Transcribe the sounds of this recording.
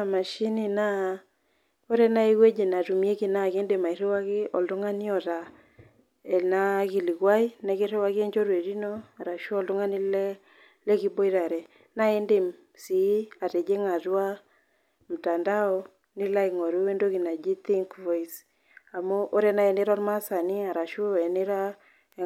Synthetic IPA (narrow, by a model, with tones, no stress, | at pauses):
a˨ma˨ʃi˦ni˨na˦ | o˦ɾɛ˦na˦i˦ɣwe˦d͡ʒe˨na˨tu˨mje˦ki˨na˨ke˦nde˨ma˨i˨ɾe˦wa˦ɣɪ˦ɔ̰˨ldo˦ŋa˦ni˦ɔ˨ɾa˨ | ɛ˨na˦ki˨li˨kwa˦i˦na˨ke˦ɾe˦wa˦ɣɛ˦ɲd͡ʒɔ˦ɾwe˨ɾi˦nɔ˦a˨ɾa˨ʃɔ˦ldɔ˦ŋa˦nɪ˦lɛ˦ | lɛ˦ki˦bo˦i˦ɾa˨ɾɛ˨ | na˦ɛ˦nde˨m | si˨˦a˨ɾe˨d͡ʒe˦ŋa˨twa˦ | m̩˨ta˨nda˦ɔ˦ | nɪ˦la˦jkŋɔ˨ɾu˦we˦ndo˦ki˨na˨d͡ʒi˦t̪i˦ŋkvɔ˦js | a˨mo˦ʔo˦ɾɛ˦na˦˨ɛ˨ne˦ɾɔ˦ɾma˦sa˨ni˦a˨ɾa˨ʃo˦ɛ˨ne˦ɾa˦